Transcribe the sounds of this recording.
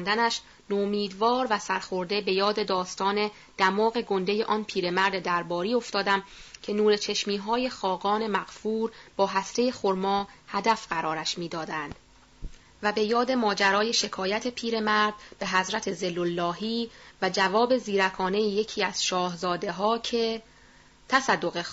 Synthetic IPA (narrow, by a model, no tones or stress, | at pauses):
nd̪ænæʃ | nomiːd̪vɒːɾvæsæɾxo̞ɾd̪e̞be̞jɒːd̪e̞d̪ɒːst̪ɒːne̞ | d̪̥æmɒːɣe̞ɡo̞nd̪e̞je̞ʔɒːnpʰiːɾe̞mæɾd̪d̪æɾbɒːɾiːo̞ft̪ɒːd̪æmcʰe̞nuːɾe̞t͡ʃʰe̞ʃmiːɦɒːje̞xɒːɡɒːne̞mæɣ̥fuːɾb̥ɒːɦæst̪e̞jexoɾmɒːhæd̪æfɢ̥æɾɒːɾæʃmiːd̪ɒːd̪ænd̪̥ | væbe̞jɒːd̪e̞mɒːd͡ʒæɾɒːje̞ʃe̞kʰɒːjæt̪ʰe̞pʰiːɾe̞mæɾd̪̚b̥e̞ɦæzɾæt̪ʰe̞zelːolːɒːɦiːvæd͡ʒævɒːbe̞ziːɾækʰɒːnejeje̞cʰiːæz̥ʃɒːhzɒːd̪e̞ɦɒːcʰe | t̪ʰæsæd̪ːoɣe